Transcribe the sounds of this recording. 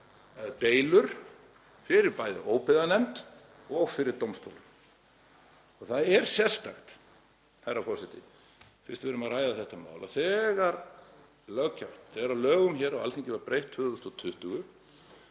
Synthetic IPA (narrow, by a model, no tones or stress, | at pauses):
t̪eːjlʏɾ̥ | fɪɾɪɾpaːjðɪ̰ʔoːwpɪðanɛmt̪ | ɔɣfɪɾɪɾ̥t̪owmst̪o̰wlʏm | ɔɣθaðɛɾ̥sjɛ̥st̪axt̪ | hajrːafɔsɪt̪ɪ | fɪ̥̰ɾ̥st̪vɛɾʏmaðraːjðaθɛht̪ama̰ːwlaθɛːɣaɾ | lœɣcʰːawt̪θɛɾawlœːɣʏmçɛːɾawa̰lt̪ʰiɲcɪvaɾpɾejht̪hʏðʏst̪ɔt̪ʰʏht̪ʏɣʏ